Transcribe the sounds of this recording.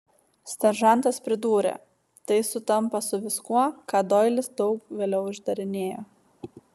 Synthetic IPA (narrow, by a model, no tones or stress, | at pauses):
sʲt̪ʲɐɾʒɑnˑt̪ɐspʲɾʲɪd̪uːɾʲḛ | t̪ɐɪsʊt̪ɐmpɐsʊʋʲɪskuɔkɑːd̪ɔɪlʲɪsd̪ɒʊkʋʲeːlʲɛʊɪʒd̪ɐɾʲɪnʲeːjoː